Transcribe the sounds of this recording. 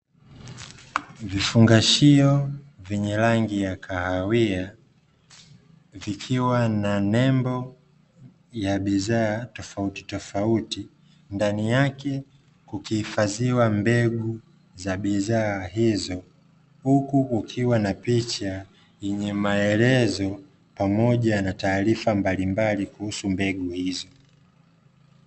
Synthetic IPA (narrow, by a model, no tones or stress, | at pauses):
vifuŋɡaʃiɔvɛɲɛlaŋɡijakʰahawia | vikʰiwananɛmbɔ | jaɓiðaːtɔfauti̥tɔfauti | ndanijakɛ | kukihifaziwambɛɠu | zaɓizaːɦizɔ | hukuːkʰiwanapit͡ʃa | jɛɲɛmaɛlɛzɔ | pamɔʄanataːɾifambalimbalikuhusumbɛɡuhizɔ